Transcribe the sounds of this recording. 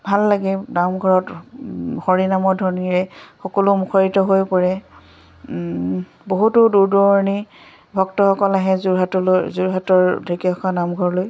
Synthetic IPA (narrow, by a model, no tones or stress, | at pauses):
bʱalːaɡɛnamɡʱɔɹɔt | hɔɹinamɔdʱɔɹniɹɛxɔkɔlʊmukʰɔɹitɔɦojpɔɹɛ | boɦutʊduɹdɔɹɔɹni | bʱɔktɔxɔkɔlaɦɛzuɹɦatɔlojzuɹɦatɔɹdikiɔkʰanamɡʱɔɹɔloj